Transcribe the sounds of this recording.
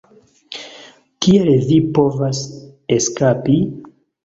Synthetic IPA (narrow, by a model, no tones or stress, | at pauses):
kielvipo̞vaseskapi